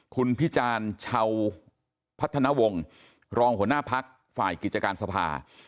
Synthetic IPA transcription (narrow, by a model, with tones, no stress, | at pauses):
kʰu˧npʰi˦˥t͡ɕaː˧nt͡ɕʰa˧w | pʰa˦˥t̪ʰːa˧na˦˥wo˧ŋ | ɾɔː˧ŋhu˩˦ənaː˥˩pʰa˦˥k̚ | fa̰ː˨˩jki˨˩t̪̚t͡ɕa˧kaː˧nsa˧pʰa̰ː˧